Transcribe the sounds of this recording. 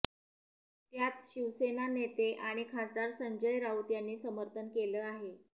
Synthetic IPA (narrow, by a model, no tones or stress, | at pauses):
t̪jat͡sɕiʋsenanet̪eʔaɽ̃ikʰasd̪aɾsəɲd͡ʑəjɾaut̪janːiːsəməɾt̪ʰənkeləːaɦe